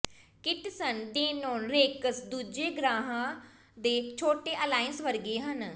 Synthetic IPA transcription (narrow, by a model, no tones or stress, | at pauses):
kɪʈsənd̪eːnoːnɾeːkəsd̪uːd͡ʒeːɡɾaːɦãː | d̪eːt͡ʃʰoːʈeːʔəlaːənsʋəɾɡeːɦən